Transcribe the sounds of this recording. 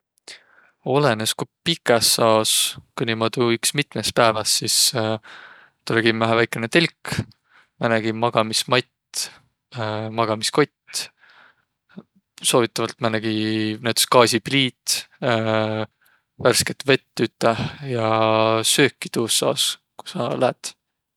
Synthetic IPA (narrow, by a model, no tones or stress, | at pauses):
o̞leneskupikˑɑsːɑoskujnʲimɑt̪uyksmit̪mespæevɑssis | t̪uleɡimvæɦævæjkːˑenet̪elʲk | mɑnæɡimɑɡ̥ɑmismɑt̪ | mɑɡ̥ɑmisko̞t̪ʲː | so̞ːvit̪ːˑɑvɑlt̪mɑnæɡ̥inæt̪e̥skɑːsʲib̥liːt̪ | værsket̪ve̞t̪ːyt̪ːˑɑjɑsø̞ːkːi̥t̪uːsːɑ̰os | ku̥sɑ̰læt̪